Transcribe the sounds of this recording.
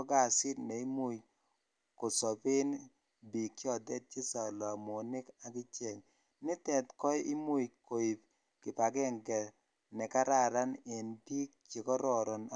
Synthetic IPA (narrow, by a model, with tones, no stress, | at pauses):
ɔ˦ɡa˨sɪ˦tnɛ˨i˦mu˦j | ko˨sɔ˨pɪ˦n | bi˨kːɔ˦˨dɛ˦t̚t͡ʃɪ˦sa˨la˨mo˨nɪ˦ka˨kɪ˦t͡ʃɛ˨ŋ | nɪ˦tɛ˨tkɔ˦jʔi˦mu˦kʰo˨i˨p̚ | kɪ˨pa˨ɡɛ˦ŋɡɛ˨ | nɛ˨ka˦ɾa˦˨ɾa˦nɪ˨nbi˦k̚t͡ʃe˨kɔ˦ɾɔ˨ɾɔ˨n